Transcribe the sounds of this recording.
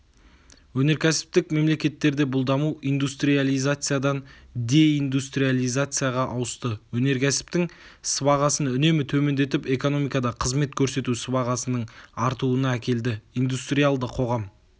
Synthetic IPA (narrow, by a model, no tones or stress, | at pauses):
wɵne̞ɾkʲʰæsɪ̥p̚t̪ɪkme̞mle̞kʲe̞t̪ːe̞ɾd̪e̞bʊlˠd̪ɑmuʔijnd̪ust̪ɾijalˠijzat̪sɨjad̪ɑnd̪e̞ind̪ust̪ɾijalʲˠijzat̪sɨjaʁɑʔɑwəst̪əwɵne̞ɾkʲʰæsɪ̥p̚t̪ɪŋ | sɪbɑʁɑsənʏne̞mɪt̪ʰɵme̞nd̪e̞t̪ɪpe̞ko̞no̞mijkɑd̪ɑqʰəzme̞t̪̚kʲʰɵɾse̞t̪usɪbɑʁɑsənəɴɑɾt̪uənɑækʲe̞ld̪ɪijnd̪ust̪rijalˠd̪əqʰo̞ʁɑm